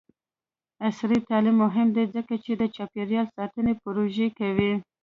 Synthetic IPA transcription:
asɾit̪ɑlimːʊɦɪmd̪ezəkat͡ʃed̪ət͡ʃɑpeɾjɑlsɑt̪ənepʊɾoʒekawi

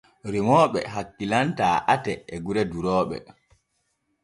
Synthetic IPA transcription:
ɾimɔːɓɛ̰ɦakːilantaːʔatɛːɡuɾɛduɾɔːɓɛ̰

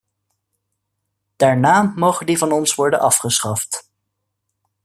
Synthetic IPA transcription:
d̥aːɹnaːmowχədivɑnɔnsʋɔɹdənʔɑfχəsχɑft

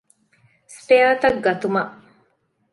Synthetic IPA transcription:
speaːt̪ɐɡɡɐt̪umɐʔ

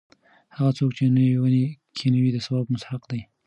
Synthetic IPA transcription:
haɣat͡sok̚t͡ʃenəwiwanekʰenawid̪əsawɑbmʊsħaqd̪aj

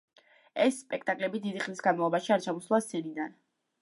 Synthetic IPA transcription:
ɛsːpʼɛkʰt̪ʼakʼlɛbid̪id̪iχlisɡanmalˠɔbaʃiaɾt͡ʃʰamɔslˠast̪sʰɛnid̪an

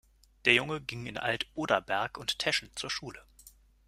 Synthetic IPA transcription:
d̥eːɐjʊŋəɡɪŋɪnʔa̰ltʔoːdɐbɛɐkʊnttʰɛʃn̩t͡suːɐʃuːlə

